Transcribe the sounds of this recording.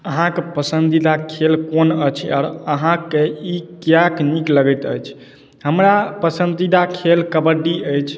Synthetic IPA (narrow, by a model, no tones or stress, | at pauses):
əɦãkepəsənd̪id̪akʰelkonət͡ʃʰɔ̰ːɾəɦãkeikjaknikləɡət̪ə̰jt͡ʃʰ | ɦəmɾapəsənd̪id̪akʰelkəbəɖiəjt͡ʃʰ